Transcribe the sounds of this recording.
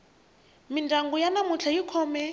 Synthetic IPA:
mindaŋɡujanamut͡ɬʰajikʰɔːmɛ

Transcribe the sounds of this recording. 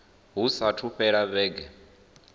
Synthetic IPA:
ɦusatʰuɸɛɺaβɛːɡɛ

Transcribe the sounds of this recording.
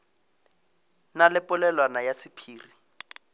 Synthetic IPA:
nalɪpʼʊlɛlwanajasɪpʰiːri

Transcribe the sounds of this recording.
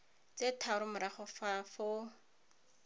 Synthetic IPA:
t͡setʰaɾʊmʊɾaχɔfafo

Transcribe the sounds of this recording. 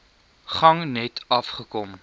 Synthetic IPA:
χɐŋnɛtɐfχəkɔm

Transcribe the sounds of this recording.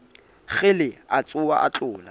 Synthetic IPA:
ɣɪlɪat͡sʼʊwaʔat͡ɬʼʊːla

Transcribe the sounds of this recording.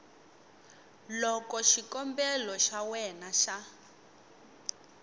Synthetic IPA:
lɔkɔʃikɔmbɛlɔʃawɛnaʃa

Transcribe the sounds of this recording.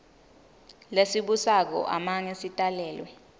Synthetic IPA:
lesiɓusak̬ɔ̰ʔa̰maŋesitʼalɛːlwɛ

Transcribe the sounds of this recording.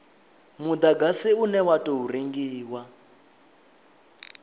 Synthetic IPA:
mud̪aɡasiunɛwatʼɔɦuriŋɡiːwa

